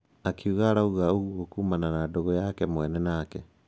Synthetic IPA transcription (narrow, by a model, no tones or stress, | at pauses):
akiuɣaɾauɣaoɣwokumananadoɣɔjakɛmwɛnɛnakɛ